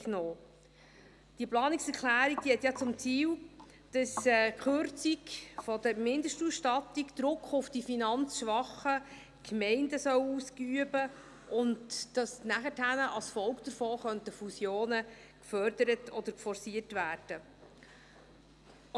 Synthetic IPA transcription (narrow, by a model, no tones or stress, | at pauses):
knoː | d̥iəplɑːniksɛɾkʰlæːɾik̚d̥ihɛt̪jɑt͡sʊmt͡siːl | d̥ɑsɛkχʏɾt͡sikfɔd̥̪əɾmɪndəʃtusʃtɑt̪ikd̥̪ɾʊkχʊfd̥ifinɑnt͡sʃʋɑχə | kmɛɪndəsœwuːskyəbə | ʔʊntd̥ɑsnæχəthænəʔɑlsfɔlkd̥̪əɾfoːχœntəfusjoːnə | kfœɾd̥əɾətʰɔd̪əɾkfɔɾsiərtvæːrd̥ə